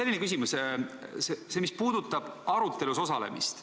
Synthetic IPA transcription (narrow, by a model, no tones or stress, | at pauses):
e̞lːinekys̬imussese̞mispuːd̪̥ut̪ːˑɑb̥ɑɾut̪ːˑe̞luso̞sɑle̞̰mḭst̪